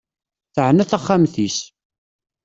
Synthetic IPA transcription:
θəʕnæθaχːamθis

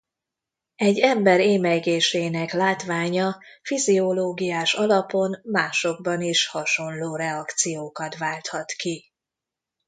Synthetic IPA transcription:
ɛɟːɛmbɛɾeːmɛjɡeːʃeːnɛklaːt̪ʋaːɲɒfizioloːɡijaːʃɒlɒpo̞nmaːʃo̞ɡ̚bɒniʃhɒʃo̞nloːɾɛɒkt̪sijoːkɒt̪ʋaːlt̪hɒt̪ki

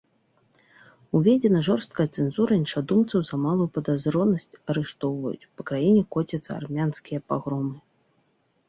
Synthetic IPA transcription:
uvʲɛd͡zʲɛnɐʐɔrst̪̚kɐjɐt̪sɛnzuɾɐinʂad̪umt̪sɐwzɐmalˠujupɐd̪azɾɔnɐsʲt͡sʲɐɾɨʂt̪ɔwvɐjṵt͡sʲpɐkɾajinʲɛkɔt͡sʲɐt̪sɐ̰a̰rmʲanskʲijɐpaɣɾɔmɨ

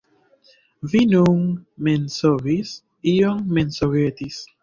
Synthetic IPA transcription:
vinuŋmẽnsovis | ioŋmẽnsoɣet̪is

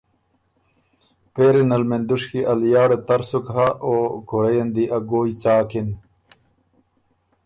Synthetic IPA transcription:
peːɾenɐlmend̪uʂkiʔɐljaːɽet̪ɐɾsukɦaʔoːkuɾɐjɐnd̪iʔɐɡoːjt͡saːkin

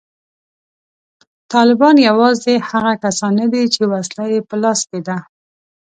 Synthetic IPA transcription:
t̪ɑlɪbɑnjawɑzehaɣakasɑnːad̪it͡ʃewaslajepəlɑsked̪a

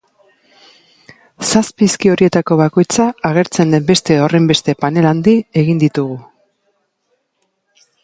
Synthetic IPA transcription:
saspiskio̞ɾie̞t̪ako̞β̞ako̞jt͡saːɣ̞e̞ɾt͡se̞nd̪e̞mbe̞st̪e̞ore̞mbe̞st̪e̞pane̞land̪ie̞ɣind̪it̪uɣ̞u

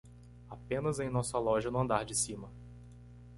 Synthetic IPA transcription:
apẽnɐzẽj̃nɔsɐlɔʒɐnʊɐ̃nd̪aɾd͡ʒɪsĩmɐ

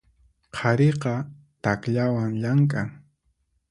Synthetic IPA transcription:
qʰɑɾeqɑ | t̪akʎawaŋʎaŋkʼaŋ

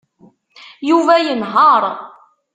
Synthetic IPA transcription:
juvæjənɦɑɾˤ

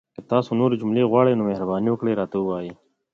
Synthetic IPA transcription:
ket̪aːsunuːɾed͡ʒumleːɣwaːɽeːnoːmeɦɾɐbaːnijõːkɽeːɾaːt̪owaːeː

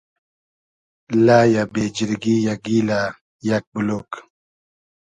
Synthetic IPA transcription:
lajabed͡ʒiɾɡijaɡila | jak̚bulok

